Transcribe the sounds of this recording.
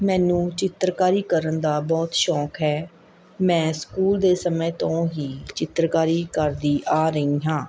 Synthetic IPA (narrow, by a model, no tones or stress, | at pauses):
mɛ̃ːnũːt͡ʃɪt̪ɾkaːɾiːkəɾənd̪aːbɔːt̪ʃɔːkɦɛː | mɛ̃ːskuːld̪eːsəmẽːt̪õːɦiːt͡ʃɪt̪ɾkaːɾiːkəɾd̪iːʔaːɾəĩːɦãː